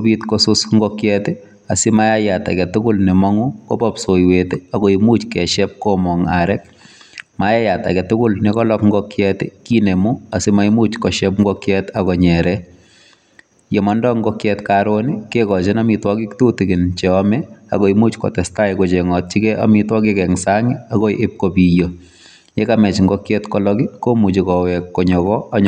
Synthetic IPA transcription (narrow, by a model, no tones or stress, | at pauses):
obitkɔsʊsŋɡɔkjɛtɪ | asɪmajajata̰kɛtʊkʊlnɛmɔŋukɔpɔpsojwetɪakɔimut͡ʃkɛʃɛp̚kɔmɔŋaɾɛk̚ | majajata̰kɛtʊkʊlnɛkɔlɔkŋɡɔkjɛtɪkinemuasɪmaimut͡ʃkɔʃɛpŋɡɔkjɛtakɔɲɛɾɛ | jemandɔŋɡɔkjɛtkaɾonikekɔt͡ʃɪnamitwɔkɪktutɪkɪnt͡ʃɛɔmɛa̰kɔimut͡ʃkɔ̰tɛstajkot͡ʃeŋɔt̚t͡ʃikɛʔa̰mitwɔkɪkɛŋsaŋiakɔiʔep̚kopijo | jɛkamɛt͡ʃŋɡɔkjɛtkɔlɔkikomut͡ʃikɔwɛkːɔɲɔkɔaɲ